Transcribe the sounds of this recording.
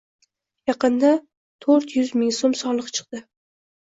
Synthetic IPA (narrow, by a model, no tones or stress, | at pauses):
jɑqɨnd̪a | t̪ʰoɾt̪jʊzmɪŋsomsɒlˠɨqt͡ʃʰɨ̥q̚d̪̥ɪ